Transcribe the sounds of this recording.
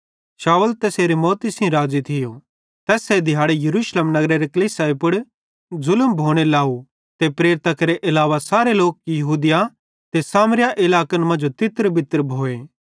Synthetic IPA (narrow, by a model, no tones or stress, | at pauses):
ʃaːʊlt̪eseːɾemɔːt̪isĩɾaːzit̪ʰɪjo | t̪ɛːsed̪ʱɪjaːɽejɐɾuːʃleːmnɐɡɾeɾekɐliːsaːipʊɽ | zʊlmbʱoːɽ̃elaːu | t̪epɾeːɾɪt̪akɐɾeʔɪlaːʋasaːɾeloːk̚jɐɦuːd̪ɪja | t̪esaːmɾɪjaʔɪlaːkənmɐ̃nd͡ʒot̪ɪt̪əɾbɪt̪əɾbʱoːeː